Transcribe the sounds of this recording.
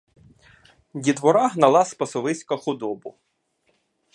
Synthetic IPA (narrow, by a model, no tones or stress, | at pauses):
dʲid̪ʋɔɾɑɦnɐlˠɑspɐsɔʋɪsʲkɐxʊd̪ɔbʊ